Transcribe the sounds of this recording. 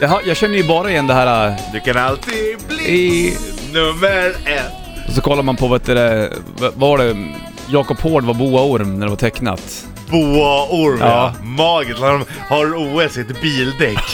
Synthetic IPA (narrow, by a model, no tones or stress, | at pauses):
jɑɦajɑːɡɕɛnːəjɵbɑːɾaɪjɛnːd̪ɛɦæːɾad̪ʉkʰanalt̪ʰiblinɵmːəɾɛt̪ | ɔsɔkʰɔlːad̪əmanpʰɔvɛːt̪əɾɛ | vavaɖɛ | jɑːkɔphoːɖvaɾbuːaʊɾmnæɖɛvat̪ʰɛkːna̰t̪ | buːaʊɾmɑːmɑːɡɪsɔ | haɾuːɛsheːt̪biːld̪ɛkː